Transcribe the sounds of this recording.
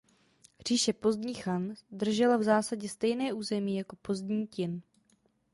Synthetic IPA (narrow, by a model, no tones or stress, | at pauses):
r̝̥iːʃɛpo̞zd̪ɲiːxand̪r̩ʒɛlavzaːsaɟɛst̪ɛjnɛːʔuːzɛmiːjako̞po̞zd̪ɲiːcɪn